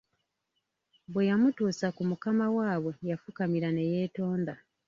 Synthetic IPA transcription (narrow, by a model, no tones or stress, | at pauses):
bwe̞jamutuːsakumukamawaːβwe̞jafukamiɾane̞je̞ːto̞ːnda